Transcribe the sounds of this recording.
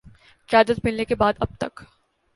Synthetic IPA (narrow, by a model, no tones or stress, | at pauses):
kɪjaːd̪ət̪mɪlnekebaːd̪ɐb̚t̪ɐk